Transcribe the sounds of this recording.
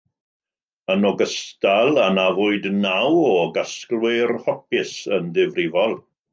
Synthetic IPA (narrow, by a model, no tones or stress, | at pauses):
ənɔɡəstalˠanavʊɨdnawɔɡasklwɪrhɔp̚ɪsəndɪvrɪvɔlˠ